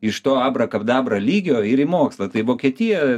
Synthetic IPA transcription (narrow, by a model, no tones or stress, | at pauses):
ɪʃt̪oːɑːbrɐkɐpd̪ɑːbrɐlʲiːɡʲoːɪɾɪmoːkslˠɐt̪ɐɪʋoːkʲiɛt̪ʲɪjɛ